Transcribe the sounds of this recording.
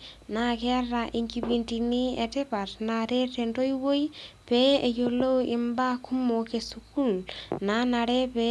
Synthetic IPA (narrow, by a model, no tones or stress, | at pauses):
nakɛraʔiŋkipintinietɪpatnaɾetendojwojpɛejolowɪmbakʰumokesukulnanaɾɛpɛ